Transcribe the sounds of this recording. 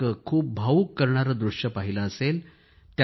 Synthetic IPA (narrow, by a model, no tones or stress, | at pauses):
əkʰuːp̚bʱaʋukːəɾɳaɾəd̪ɾuʂjəpaɦiləːsel | t̪j